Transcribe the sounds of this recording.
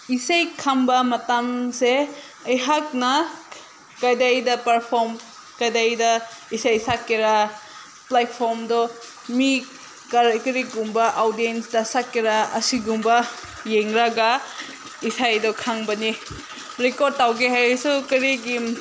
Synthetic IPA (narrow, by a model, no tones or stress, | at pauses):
isajkʰambɐmɐtamse | ɐjɦak̚nɐ | kajdajdɐpɐɾpʰoɾm | kajdajdɐisajsakːiɾa | plat̚pʰoɾmdɔ | mi | kaɾkɐɾiɡumbɐʔawdiensdɐsakːiɾaɐsiɡumbɐ | jeŋɾaɡa | isajdɔkʰaŋbɐni | ɾekod̚tawɡeɦajsukɐɾiɡi